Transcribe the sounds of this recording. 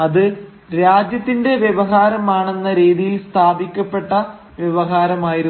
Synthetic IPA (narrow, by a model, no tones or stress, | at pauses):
ɐðɨ | ɾaːd͡ʑjɐt̪ːinde̞ʋjeʋɐɦaːɾɐmaːɳe̞nːɐɾiːðijilst̪ʰaːbikʲːɐpːe̞ʈːɐ | ʋjeʋɐɦaːɾɐmaːjiɾu